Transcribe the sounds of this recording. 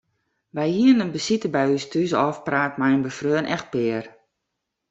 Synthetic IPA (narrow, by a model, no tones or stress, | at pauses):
ʋɛjhiənənbəsitəbɛjystʰyzəɔfpraːtmɛjənbəfrøːənʔɛx̚pɪːər